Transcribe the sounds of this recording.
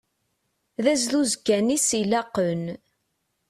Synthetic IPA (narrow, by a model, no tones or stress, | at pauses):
ðæzluzɡænisilɑqːən